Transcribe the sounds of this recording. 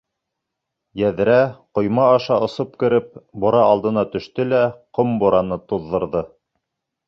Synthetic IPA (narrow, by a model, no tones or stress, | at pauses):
jæðɘ̆ɾæqŏjmɑːʃɑŏsɤp̚kɘ̆ɾɘp̚bŏɾɑɑlˠd̪ɤ̆nɑt̪ɵ̆ʃt̪ɘlæqomboɾɑnɤt̪uðːɤ̆ɾðɤ